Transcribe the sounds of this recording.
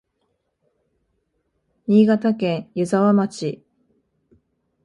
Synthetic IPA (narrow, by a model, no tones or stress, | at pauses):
ɲʲiːɡat̪akẽ̞ɰ̃jɯ̟zaβamat͡ɕi